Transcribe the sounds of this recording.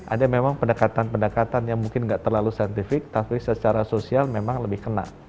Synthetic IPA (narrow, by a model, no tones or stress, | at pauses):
ʔa̰damemaŋpəndəkat̪anpəndəkat̪anjaŋmuŋkɪnŋɡaʔt̪ərlalusaant̪ifɪk̚t̪apisət͡ʃaɾasosialmemaŋləbɪhkəna̰ʔ